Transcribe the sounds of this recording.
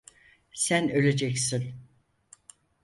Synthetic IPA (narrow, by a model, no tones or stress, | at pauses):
sænø̞lʲed͡ʒɛcsin